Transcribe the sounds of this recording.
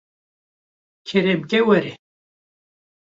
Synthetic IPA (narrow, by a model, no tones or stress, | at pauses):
kʰeɾemkewɐɾe